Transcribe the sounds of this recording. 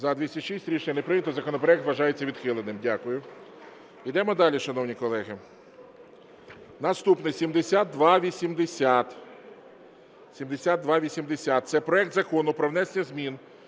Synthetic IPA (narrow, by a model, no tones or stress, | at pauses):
zɐd̪ʋʲisʲɐʃisʲtʲɾʲiʃenʲɐnepɾɪnʲɐt̪ɔzɐkɔnɔpɾɔɛkt̪ʋɐʒɑjet͡sʲːɐʋʲid̪xɪlˠenɪmdʲakʊjʊ | id̪ɛmɔd̪ɑlʲiʃɐn̪ɔwnʲikɔlˠɛɦɪ | nɐst̪upnɪsʲimd̪esʲad̪̚ːʋɑʋʲisʲimd̪esʲat̪ | sʲimd̪esʲat̪d̪ʋɑʋʲisʲimd̪esʲat̪̚t̪sɛpɾɔɛk̚t̪zɐkɔnʊpɾɔʋnɛsenʲɐzmʲin